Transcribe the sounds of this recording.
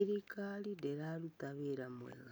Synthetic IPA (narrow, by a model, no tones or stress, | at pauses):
ɾikalideɾalutaβiɾamwḛɣa